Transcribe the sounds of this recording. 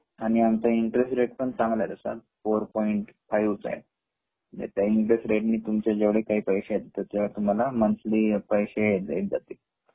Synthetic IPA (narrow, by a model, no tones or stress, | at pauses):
aɽ̃iamt͡saiɳʈɾesʈɾeʈ̚pəɳt͡sãŋɡlad̪əsa̰foɾpɔiɳʈfajʋt͡sa̰jḛ | d͡ʑḛt̪jaiɳʈɾesʈɾeʈniːt̪umt͡ɕad͡ʑeʋɽekaɦiːpəjɕejed̪at̪ət̪eʋat̪um̤alamənsliːpəjɕeeed͡zat̪i